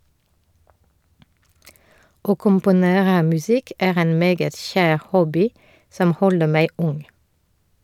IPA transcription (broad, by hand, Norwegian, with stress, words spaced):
ˈoː kʊmpʊˈneːʁə mʉˈsɪk ˈeːʁ ˈeːn ˈmeːɡət ˈçæːʁ ˈhɔbɪ ˈsɔm ˈhɔlə ˈmæɪ ˈʊŋ